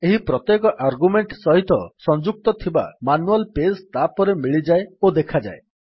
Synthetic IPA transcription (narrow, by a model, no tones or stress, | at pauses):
eɦipɾɔt̪jekɔʔaɾɡumeɳʈsɔɦit̪ɔsɔnd͡ʒuk̚t̪ɔt̪ʰiba̰manualpest̪apɔɾemiɭid͡ʒaeod̪ekʰad͡ʒa̰e